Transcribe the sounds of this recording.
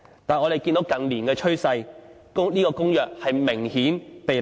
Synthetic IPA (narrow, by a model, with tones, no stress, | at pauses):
t̪aː˨nɔː˨˧ɾe˨˩jki˧nt̪o˨˥wkɐ˨nliː˨˩nkɛː˧t͡ʃʰɵ˥ɥsɐ˧j | kʊ˥ŋliː˥kɔː˧kʊ˥ŋjœː˨k̚hɐ˨jmɪ˨˩ŋhiː˨˥npe˨